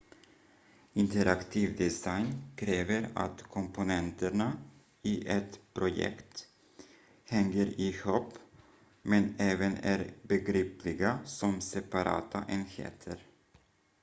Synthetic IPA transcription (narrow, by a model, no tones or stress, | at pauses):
ɪnt̪əɾakt̪ʰiːvd̪ɛsajnkʰɾeːvəɾa̰t̪kʰɔmpʊnɛnt̪əɳa | ɪʔɛt̪pʰɾʊjɛ̰kt̪ | hɛŋːəɾɪhopː | mɛnɛːvənæ̰ɾbɛɡɾiːplɪɡasɔmsɛpaɾɑ̰ːt̪ʰa̰ʔɛnhḛːt̪ʰəɾ